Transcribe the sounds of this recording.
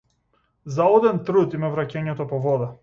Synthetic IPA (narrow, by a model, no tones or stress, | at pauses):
zaɔd̪ɛnt̪ɾut̪imavɾacɛɲɛt̪ɔpɔvɔd̪a